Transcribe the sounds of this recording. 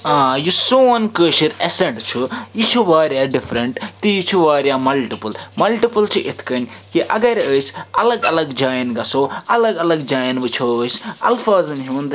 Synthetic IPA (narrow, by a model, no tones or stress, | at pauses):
ãːjusoːnkəːʃiɾeseɳʈt͡ʃʰujit͡ʃʰuʋaːɾjaːɖipʰɾɐɳʈt̪ijit͡ʃʰuʋaːɾjamɐlʈipɐlmɐlʈipɐlt͡ʃʰiʔit̪ʰkɐnʲkiʔɐɡɐɾəːsɐlɐɡɐlɐɡd͡ʒaːjnɡɐsoːɐlɐɡɐlɐɡd͡ʒaːjnbɨt͡ʃʰoəːsɐ̰lfʰaːzɨnɦiʋɐnd̪